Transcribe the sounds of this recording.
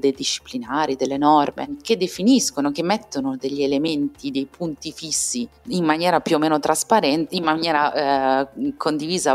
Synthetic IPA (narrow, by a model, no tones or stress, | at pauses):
d̪ejd̪iʃːi̥plinaːɾid̪elːenɔrmḛk̟ed̪ːefiniskonokemːɛt̪ːonod̪eʎːielement̪id̪ejpʰunt̪ifisːiimmːanjɛːɾapjuomːeːnot̪ɾaspaɾɛnt̪eimmanjɛːɾa | kʰond̪iviːza